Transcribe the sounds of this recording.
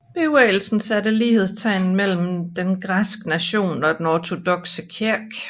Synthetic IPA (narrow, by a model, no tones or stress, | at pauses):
b̥e̝uɛɪl̩sn̩sæɾəliːhe̝ð̞ˠst͡sʰɑ̈ɪnn̩mel̰m̩d̥enɡ̥ʁasɡ̥ənæɕo̝̰ːnɒ̽d̥enɒt͡sʰo̝d̥ɔ̽ɡ̥səkʰeɐ̰ɡ̥